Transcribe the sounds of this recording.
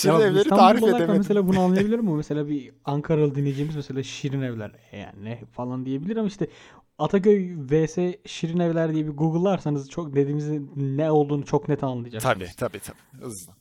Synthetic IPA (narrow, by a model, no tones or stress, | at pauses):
iabaevilesanulˠoaɾaæmes̬e̞lʲaːbunuanlːˠɯjabilʲiɾimːumese̞lʲaːbiaŋkʰaɾalˠɯd̪inːed͡ʒiːmizmese̞lʲaːʃiɾinevlʲæ̰ɾ | ḛjæ̰nɛfalˠand̪ije̞bilʲiɾamaiʃt̪ʰɛ | at̪ʰacø̞jveːsɛʃiɾinevlʲæɾd̪ijɛbiɡuɡɯlˠːaɾsanɯzt͡ʃʰokd̪ed̪iːmizinɛo̞lˠd̪uːnut͡ʃʰo̞knet̪ʰænalˠɯjad͡ʒakt̪ʰabi̥t̪ʰabiːt̪ʰabiɯ̰za